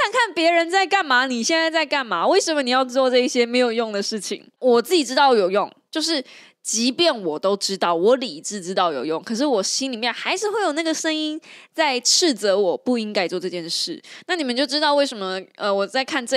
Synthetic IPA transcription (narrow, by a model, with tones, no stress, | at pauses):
kʰa˥˧nkʰa˥˩npjɛ˧˥ɻə˧˦nt͡sa˥˧ɪka˥˩nma˧˥˦ni˨˩ɕjɛ˥˧nt͡sa˥˧ɪt͡sa˥˧ɪka˥˩nma˧˩˦we˥˩ɪʂə˨˩nmə˦ni˨˩jɑ˥˧ʊʈ͡ʂɻ̩˥ɑ˥˧ʈ͡ʂɤ˥˧i˥˩ɕjɛ˥me˧˥ɪjo˨˩ʊjo˥˩ŋd̪ə˩ʂɻ̩˥˩t͡ɕʰḭ˨˩˦ŋwɔ˨˩t͡sɹ̩˥˩t͡ɕi˨˩ʈ͡ʂɻ̩˥t̪ɑ˥˩ʊjo˨˩ʊjʊ˥˩ŋt͡ɕjo˥˧ʊʂɻ̩˥˩ | t͡ɕi˧˥pjɛ˥˩nwɔ˨˩t̪o˥ʊʈ͡ʂɻ̩˥t̪ɑ˥˩ʊwɔ˧˥˦li˨˩˨ʈ͡ʂɻ̩˥˧ʈ͡ʂɻ̩˥t̪ɑ˥˩ʊjo˨˩ʊjʊ˥˩ŋkʰɤ˨˩ʂ̬ɻ̩˥˩wɔ˨˩ɕi˥nli˨˩mjɛ˥˩nxa˧˥ɪʂɻ̩˥˧xwe˥˩ɪjo˨˩na˥˩ɡə˩ʂə˥ŋi˥nt͡sa˥˧ɪʈ͡ʂʰɻ̩˥˩t͡sɤ˧˥wɔ˨˩pu˥˩i˧˥ŋka˥ɪt͡swɔ˥˧ʈ͡ʂɤ˥˧t͡ɕjɛ˥˧nʂɻ̩˥˩na˥˩ni˨˩mə˨˦nt͡ɕjo˥˩ʊʈ͡ʂɻ̩˥t̪ɑ˥ʊwe˥˩ɪʂə˧˥mə˧ʔə˧wɔ˨˩t͡sa˥˧ɪkʰa˥˧nʈ͡ʂ